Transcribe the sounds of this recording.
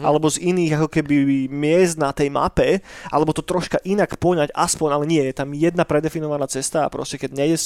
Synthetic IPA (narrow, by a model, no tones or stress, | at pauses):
ʔalɛbɔziniːɣakɔkɛbimɪɛzd̪̚nat̪ɛjma̰pɛʔalɛbɔt̪ɔt̪ɾɔʃkaʔinakpɔɲaɟaspɔɲalɛɲɪɛjɛt̪amjɛd̪napɾɛd̪ɛfinɔʋanaːt͡sɛst̪a̰pɾɔscɛkɛɟɲɛɟɛs